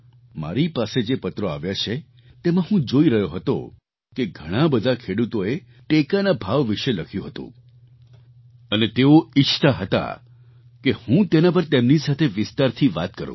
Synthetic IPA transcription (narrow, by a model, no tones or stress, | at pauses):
ma̰ɾipased͡ʒepət̪ɾoaʋjat͡ʃʰe | t̪emãɦũd͡ʒoiɾəɦjoɦət̪o̰ | keɡʱəɽ̃abəd̪ʱakʰeɽut̪oe | ʈekanabʱaʋːiʃeləkʰjũɦət̪ṵ̃ | ənet̪eoit͡ʃʰt̪aɦət̪a̰ | kehũt̪enap̬əɾt̪emnisat̪ʰeʋɪst̪aɾt̪ʰiʋat̪kəɾṵ̃